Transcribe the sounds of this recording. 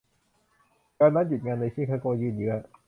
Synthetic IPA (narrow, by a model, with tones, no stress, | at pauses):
kaː˧nːaː˦˥ju˨˩t̪̚ŋaː˧nːa˧jsiː˥˩kʰaː˧˩koː˧jɯː˧˩njɯ˦˥ɐ